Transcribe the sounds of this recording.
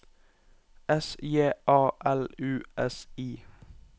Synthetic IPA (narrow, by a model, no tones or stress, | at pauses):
ɛsjeːʔɑːʔælʉːɛsiː